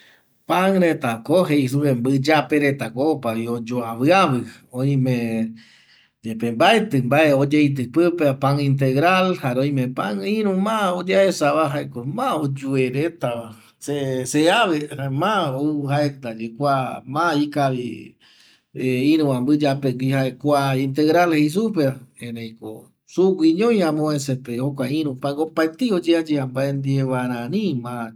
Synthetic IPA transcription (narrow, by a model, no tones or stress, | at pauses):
paŋɾet̪akoɦeis̬uβembɨd͡ʒapeɾet̪akopaβiod͡ʒoaβɨaβɨõj̃mẽ | d͡ʒepembaet̪ɨmbaeod͡ʒejt̪̬ɨpɨpepaŋĩnt̪̬eɣɾalhaɾeõj̃mẽpaŋĩɾũmãod͡ʒaesaβaɦaekomãod͡ʒueɾet̪aβa | seseaβemãoɦaet̪ad͡ʒekʷamãikaβḭ | eĩɾũãmbɨd͡ʒapekʷihaekʷaint̪̬eɣɾalheis̬up̬eaẽnẽj̃ko̰ | suɡʷiɲõj̃ãmõesepehokʷaĩɾũpaŋopaet̪iod͡ʒead͡ʒeambaend̪ieβaɾ̃ãnĩmã